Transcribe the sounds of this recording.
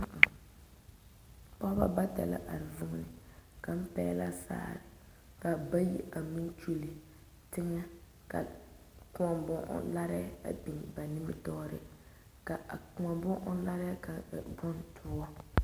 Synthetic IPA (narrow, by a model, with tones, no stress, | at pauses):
m̩˦˨ | pɔ˦hba̰˦ba˦ta̰˨la̰˦ʔa˨ɾɪ˨vʊ˦ŋ˦nɪ˨ka˨m̩˦pɛː˦la̰˦sa̰ː˦˨ɾɪ˨ | ka˨ba˦jḭ˦ʔa˨mi˦n˦t͡ʃu˦li˨ | tɪ˦ŋɛ˦ | ka̰˨ | kʊ˦ɔ˨mbʊ˦ŋʔla˦ɾɛ˦a̰˨bi˨ŋ˨ba˨nɪ˦mɪ˦tɔ˦ɾɪ˦ | ka˨a˨kŋa˨bʊ˦ʔɔ˦la˦ɾɛ˦ka˨bɔ˦ntʰʊ˦ɔ˦